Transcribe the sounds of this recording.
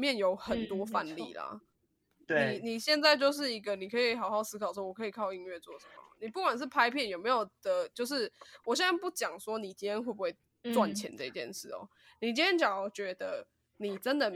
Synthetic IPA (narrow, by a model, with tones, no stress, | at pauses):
mjɛ˥˨njo˧˥ʊxə˨˩nt̪wɔ˥fa˥˧nlḭ˥˨la̰˩ | i˨˩ni˨˩ɕjɛ˥˧nt͡sa˥˧ɪt͡ɕjo˥˧ʊʂ̬ɻ̩˥˩i˧˥ɡə˨ni˨˩kʰɤ˧˥i˨˩xɑ˨˩ʊxɑ˥˩ʊsɹ̩˥kʰɑ˨˩ʊwɔ˥wɔ˨˩kʰɤ˧i˨˩kʰɑ˥˧ʊi˥˧ŋɥɛ˥˧t͡swɔ˥˩ʂə̥˨˦mə˩ə˩ni˨˩pu˥˩kwa˨˩nʂ̬̩˥˩pʰa˥ɪpʰjɛ˥˩˨njo˨˩ʊme˧˥ɪjo˨˩ʊd̪ə˨˦t͡ɕjo˥˧ʊʂ̬ɻ̩˥˩wɔ˨˩ɕ̬jɛ˥na˥˩pu˥˩t͡ɕjɑ˨˩ŋswɔ˥ni˨˩t͡ɕi˥nʰɛ˥nxwe˥˩b̚u˧˩we˥˩ɪ | t͡swa˥˨nt͡ɕʰjɛ̰˧˦nt͡sə˥˧i˨t͡ɕjɛ̰˥˧nʂɻ̩̰˥˩o̰˨˩ | ni˨˩t͡ɕi˥njɛ˥nt͡ɕjɑ˨˩ŋ˨˩t͡ɕɥɛ˧˥d̪ə˧ | ni˨˩ʈ͡ʂə˦nd̪ə˨